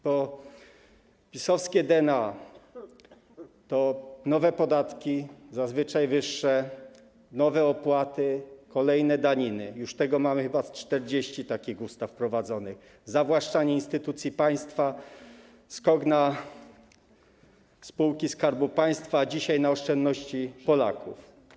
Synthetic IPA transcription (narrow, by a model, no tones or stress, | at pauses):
pɔ | pʲisɔfskʲɛd̪ɛna | t̪ɔnɔvɛpɔd̪at̪kʲizazvɘt͡ʂajvɘʂːɛ | nɔvɛɔpwat̪ɘkɔlɛjnɛd̪aɲinɘjuʂt̪ɛɡɔmamɘxɘbast͡ʂt̪ɛɾd͡ʑeɕt͡ɕit̪akʲiɣust̪afpɾɔvad̪zɔnɘɣ | zavwaʂt͡ʂaɲɛinst̪ɘt̪ut̪sʲjipaj̃st̪fa | skɔɡna | spuwkʲiskaɾbupaj̃st̪faːd͡ʑiɕajnaɔʂt͡ʂɛnd̪ːɔɕt͡ɕipɔla̰kṵf